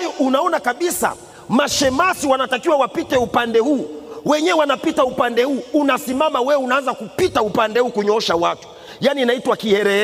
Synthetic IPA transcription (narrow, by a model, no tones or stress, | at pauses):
jɔʔunaɔnakaɓisa̰ | maʃɛmasiwanatakiwawapitɛupandɛhuːwɛɲɛwanapitaupandɛhuːnasimamawɛunaanzakupitaupandɛhuːkuɲɔʃawatu̥ | janiːnaitwakihɛɾɛ